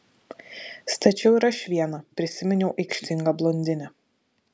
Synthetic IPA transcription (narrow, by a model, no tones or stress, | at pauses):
st̪ɐt͡ʃʲɛʊɪɾɐʃʲʋʲiɛnɐpʲɾʲɪsʲɪmʲɛnʲɛʊʔɐɪkʃʲt̪ʲɪŋɡɐblˠɔnʲd̪ʲɪnʲɛ